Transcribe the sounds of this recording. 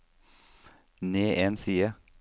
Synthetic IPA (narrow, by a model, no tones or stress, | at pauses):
neːʔeːnsiːə